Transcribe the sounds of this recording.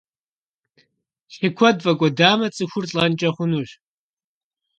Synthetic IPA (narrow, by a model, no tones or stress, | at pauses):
ɬikʷʰɔdvɐkʷʼɔdaːmɐt͡sʼɨxʷʊrɬʼɐnt͡ʃʼɐχʷʊnuɕ